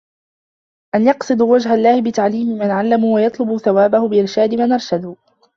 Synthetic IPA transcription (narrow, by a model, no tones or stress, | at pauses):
ʔanjɑqsˤɨd̪uːwad͡ʒɦalːaːhɪbɪt̪aʕliːmɪmanʕalːamuːwajɑt̪ˤlʊbʊθawaːbahʊbɪʔɪɾʃaːd̪ɪmanʔɑɾˤʃad̪ʊ